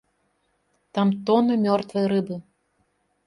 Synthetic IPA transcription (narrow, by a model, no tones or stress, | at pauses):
t̪amt̪ɔnɨmʲɔrt̪vɨjɾɨbɨ